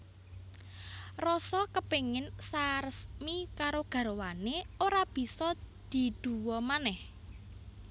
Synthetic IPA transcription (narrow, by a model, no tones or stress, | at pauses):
rɔsɔkəpeŋɪnsaɾəsmikaɾoɡ̥a̤ɾowaneoɾab̥i̤sɔd̪̥i̤d̪̥ṳwɔmanɛh